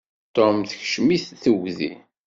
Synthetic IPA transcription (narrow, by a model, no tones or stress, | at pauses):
t̪omθəçʃmiθθəwðḭ